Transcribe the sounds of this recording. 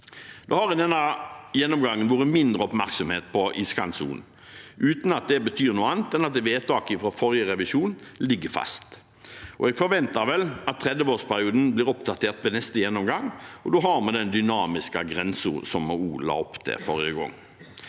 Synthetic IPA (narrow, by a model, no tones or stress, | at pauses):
d̪̥ohɑɾʋɪd̪ɛnːɑjɛnːɔmɡɑŋːənʋoːʁəmɪnd̪ɾəɔpmæɾksɔmheːt̪̚pʰɔʔiskɑnsṵːn | ʔʉːt̪n̩ɑt̪̚d̪ɛbət̪ʰyːʁnuːəɑnt̪ɛnɑt̪̚d̪ɛʋeːt̪ʰɑːkɪfɾɔfɔɾjəʁɛʋɪʃuːnlɪɡːəɾfɑ̰st̪ | ʔɔ̰ɛɡfɔɾʋɛnt̪ɑɾʋɛlʔɑt̪ʰːʁɛd̪əʋoːspʰæɾɪuːd̪n̩blɪːɾɔpd̪ɑt̪ʰeːʁt̪ʋɛːnɛst̪əjɛnːɔmɡɑŋɔd̪oːɦɑɾmɑd̪ɛnd̪ʏnɑːmɪskəɡɾɛnsəsɔmɔuːlɑ̰ɔpt̪ʰɛ̰fɔʁɪəɡɔ̰ŋː